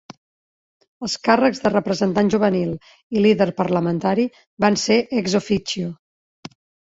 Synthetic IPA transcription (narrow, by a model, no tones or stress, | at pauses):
əlˠskarəɡzðərəpɾəzənt̪anʒuβ̞ənilˠ | iliðəɾpəɾləmənt̪aɾi | banseʔɛɡzofit͡ʃio